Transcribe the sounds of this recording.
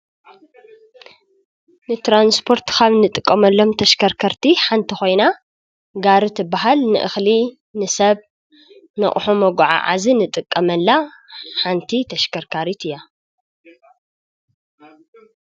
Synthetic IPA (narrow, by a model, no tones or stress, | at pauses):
nɨt̪ɾanspʰo̞ɾt̪kʰaβnɨt̪ʼɨkʼːɐmɐlːo̞mt̪ʰɐʃkʰɐɾkʰɐɾt̪ʰiħant̪ʰixo̞jna | ɡaɾɨt̪ʰɨbːaɦalnɨ̰ʔɨxli | nɨsɐβ | nɐ̰χʼħumɐɡʕa̰ʕa̰zinɨt̪ʼɨkʼːɐmɐlːaħant̪ʰit̪ʰɐʃkʰɐɾkʰaɾit̪ʰɨjːa